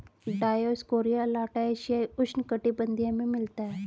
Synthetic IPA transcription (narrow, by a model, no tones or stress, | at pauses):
ɖajoskoɾijalaʈaeɕijajuʂnkəʈibənd̪ʱijamimilt̪a